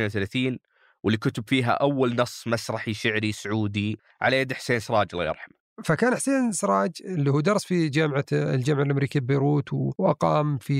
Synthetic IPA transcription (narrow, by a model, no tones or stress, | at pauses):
nwθalaːθiːn | wɪlːikʊt̪ʊbfiːɦa̰ʔawːalnɑsˤːmasɾˤɑħiʃɪʕɾisʊʕuːd̪i | ʕa̰lajad̪ħseːnsɾˤɑːd͡ʒlːɑ̰jɑ̰ɾˤħam | fakaːnħseːnsɾˤɑːd͡ʒɪlːiːhuːd̪ɑɾˤsˤfid͡ʒaːmʕa̰ld͡ʒaːmʕalʔamɾiːkilbajɾuːt̪wwʔɑqɑːmfi